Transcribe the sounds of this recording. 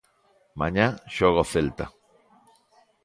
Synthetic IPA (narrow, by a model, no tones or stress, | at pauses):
mãɲaʃoɣ̞oθelt̪a̰